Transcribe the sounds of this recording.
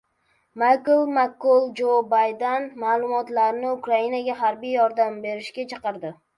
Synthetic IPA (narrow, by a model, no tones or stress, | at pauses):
majklˠmakːʊlˠd͡ʒobajd̪anmaːlˠʊmɒt̪laɾɪnɪʊkɾainaɡʲaɦaɾbijɒɾd̪ambe̞ɾɪʃkʲat͡ʃʰɑqɨɾd̪ɪ